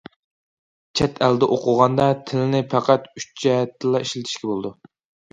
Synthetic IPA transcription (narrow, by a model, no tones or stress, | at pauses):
t͡ʃʰɛt̪ʰæld̪ɛʔoqʰʊʁɑnd̪ɑt̪ʰɪlɪnɪpʰæqʰæt̪yt͡ʃ̚d͡ʒɛt̪ːɪlˠɑiʃlɪt̪ʰɪ̥ʃkʲɛbolˠɨd̪u